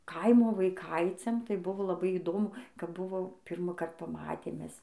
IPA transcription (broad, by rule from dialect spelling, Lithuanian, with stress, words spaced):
ˈkɐɪmoː ʋɐɪˈkɐɪt͡sʲɛm tɐɪ ˈbʊʋoː lˠɐˈbɐɪ iːˈdoːmʊ kɐp ˈbʊʋoː ˈpʲiːrmɑːkɐrt pɐˈmɑːtʲeːm ˈmʲɛs